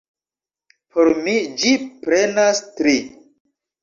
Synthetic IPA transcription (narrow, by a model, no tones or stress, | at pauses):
pʰoɾmid͡ʒipɾe̞nastɾi